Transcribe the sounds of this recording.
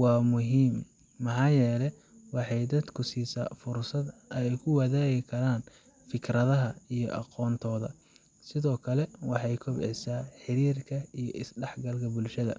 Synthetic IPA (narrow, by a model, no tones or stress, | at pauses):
wɑːmʊɦiːmː | ɑħɑːjɛːlɛ | wɑħɑjd̪ɐd̪kʰʊsiːsa̰ːfʊrsɐd̪ɛjkʰʊwɐðaːɣɪkʰɐɾaːn | fɪkʰrɐðɐɦɐijɞ̰ʔɑ̰qɔːnt̪ʰɔːðɐ̰ | sɪðɔːkʰɐlɛwɑħɑjkʰʊbɛ̰saːħɪɾiːrkʰɐijɔʔɪsɖɛħɡɐlkʰɐbʊlʃɐðɐ̰